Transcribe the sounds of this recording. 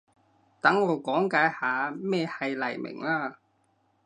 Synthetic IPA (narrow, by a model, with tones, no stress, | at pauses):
t̪ɐ˨˥ŋːɔː˨˧kɔː˨˥ŋkaː˨˥jhaː˨˧mɛː˥˧hɐ˨jlɐ̰˨˩jmɪ̰˨˩ŋlaː˧